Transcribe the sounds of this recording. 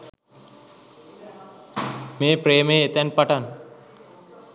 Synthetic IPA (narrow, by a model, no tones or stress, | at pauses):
mẽːpɾeːmeet̪ɛnpɐʈan